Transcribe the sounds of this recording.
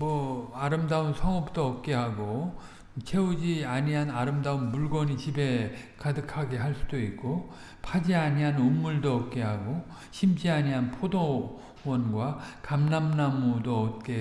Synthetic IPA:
mʌaɾɯmdaunsʰʌŋʌp̚t͈oʌp̚k͈e̞ɦaɡo | t͡ɕʰe̞ud͡ʑiaɲiɦanaɾɯmdaunmuɭɡwʌɲit͡ɕibe̞kadɯkʰaɡe̞ɦaɭs͈udoik̚k͈o | pʰad͡ʑiaɲiɦanunːuɭdoʌp̚k͈e̞ɦaɡo | ɕʰimd͡ʑiaɲiɦanpʰodo | wʌnɡwakamnamnamudoʌt̚k͈e̞

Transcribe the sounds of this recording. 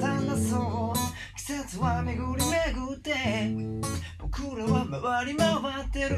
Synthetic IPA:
and̪aso | kʲi̥set͡sɨβame̞ɡɯɾʲimeɡɯt̪ːe̞ | b̥o̞kɯɾaβamaβaɾʲimaβat̪ːe̞ɾ

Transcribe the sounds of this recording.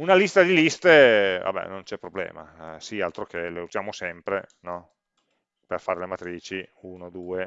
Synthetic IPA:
unalist̪ad̪ilist̪eva̰bɛ̰nont͡ʃɛpːɾoblɛ̰ːma̰sialt̪ɾokeleuzjaːmosɛmpɾenɔ | perfaːɾelemat̪ɾiːt͡ʃiunod̪uːe

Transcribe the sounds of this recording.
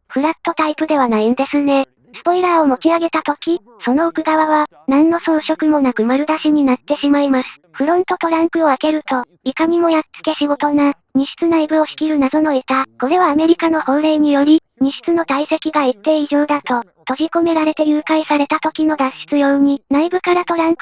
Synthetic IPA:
ɸɯ̟ɾat̪ːo̞t̪aipɯ̟d̪e̞βanaind̪e̞sɨne̞ | sɨ̥po̞iɾaːomo̞t͡ɕiaɡe̞t̪at̪o̞kʲi | so̞no̞okɯ̟ɡaβaβa | nãnːo̞so̞ːɕo̞kɯ̟mo̞nakɯ̟maɾɯ̟d̪aɕiɲ̟inat̪ːe̞ɕimaimasɨ̥ɸɯ̟ɾõ̞nt̪o̞t̪o̞ɾãŋkɯ̟o̞ake̞ɾɯ̟t̪o̞ | ikamʲimo̞jat͡sɨ̥ke̞ɕiɡo̞t̪o̞na | ɲ̟iɕi̥t͡sɨnaibɯ̟o̞çi̥kʲiɾɯ̟nad̪o̞no̞e̞t̪ako̞ɾe̞βaːme̞ɾʲikano̞hõ̞ɾeiɲ̟ijo̞ɾʲi | ɲ̟iɕi̥t͡sɨno̞t̪aise̞kʲiɡait̪ːe̞iʑo̞ːd̪at̪o̞ | t̪o̞ʑiko̞me̞ɾaɾe̞t̪e̞jɯːkaisaɾe̞t̪at̪o̞kʲino̞d̪ãɕi̥t͡sɨjo̞ɯɲ̟inaibɯ̟kaɾat̪o̞ɾãŋkɯ

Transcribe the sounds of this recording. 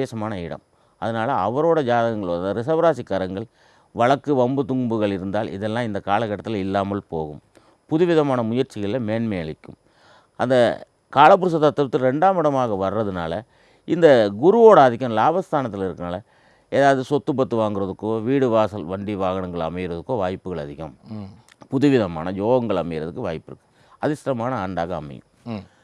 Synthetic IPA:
eːʂɐmaːnɐɪɽɐ̰m | ɐðɐnaːlɐɐ̰ʋɐɾoːɽɐd͡ʒaːðɐɐŋɡɐɭoɐnd̪ɐɾɪsɐʋɐɾaːsɪkːaːɾɐŋɡɐɭ | ʋɐɭɐkːɯʋɐmbɯt̪ʊŋbɯɣɐɭɪɾɯnd̪aːlɪ̰ðɛlːãːɪnd̪ɐkaːlɐkːɐʈːɐt̪ːɪlɪlːaːmɐlpo̰ːɣɯm | pʊðʊʋɪðɐmaːnɐmʊjɐɾt͡ʃɪɣɐɭɪlɐmeːɳmejɐɭɪkːɯ̰m | ɐnd̪ɐ | kaːlɐp̬ːʊɾɯs̬ɐt̪ːɐt̪ːɐɾɐt̪ːɪlɾɛɳɖaːmɪɽɐmaːɣɐʋɐɾːɐðɯna̰ːlɐ | ɪnd̪ɐɡʊɾuoːɽɐɐðɪkːɐmlaːbɐst̪aːnɐt̪ːɪlɪɾɯkːɯnaːlɐ | eːðaːʋɐðɯsɔt̪ːɯp̬ːɐt̪ːɯʋaːŋɡɪɾɐðɯkːoːʋiːɽɯʋaːsɐlʋɐɳɖiʋaːɣɐɳɐŋɡɐɭɐ̰mɐjɪɾɐðɯkːoːʋaːjpːɯɣɐɭɐðɪɣɐm | pʊðɯʋɪðɐma̰ːnɐjoːɣɐŋɡɐɭɐmɐjɪɾɐðɯkːɯʋaːjpːɪɾɯkːɯ̥ | ɐðɪsɾɐmaːnɐaːɳɖaːɣɐːmɐ̰jɯ̰m

